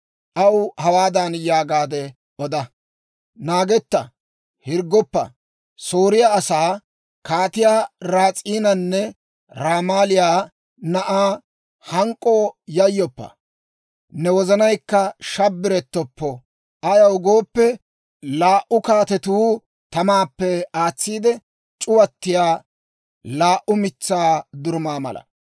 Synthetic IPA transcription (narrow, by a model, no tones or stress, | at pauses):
ʔɐwhɐwaːd̪anjaːɡaːd̪ɛ | ʔɔd̪ɐ | naːɡɛt̪ːɐ | hɪɾɡːɔpːɐ̰ | soːɾɪjaːsaː | kaːt̪ɪjaːɾaːt͡sʼiːnɐnːɛ | ɾaːmaːlɪjaː | nɐʔaː | hɐŋkʼːo̞ːjɐjːɔpːɐ̰ | nɛwɔzɐnɐjkːɐʃɐbːɪɾɛt̪ːɔpːɔ | ɐjɐwʊɡo̞ːpːɛ | laːʔʊkaːt̪ɛt̪uː | t̪ɐmaːpːɛaːt͡sːiːd̪ɛ | t͡ʃʼʊwɐt̪ːɪjaː | laːʔʊmɪt͡sːaːd̪ʊɾmaːmɐ̰lʔɐ̰